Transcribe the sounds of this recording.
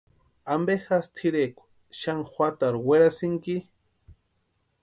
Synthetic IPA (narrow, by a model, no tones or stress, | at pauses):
ambexast̪ʰiɾekʷ | ʃaŋxwat̪aɾweɾasɪŋki